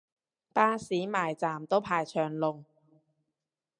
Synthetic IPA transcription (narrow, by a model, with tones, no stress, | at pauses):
paː˥siː˨˥maː˨˩jt͡saː˨˩mt̪o˥wpʰaː˧jt͡ʃʰœː˨˩ŋlʊ˨˧ŋ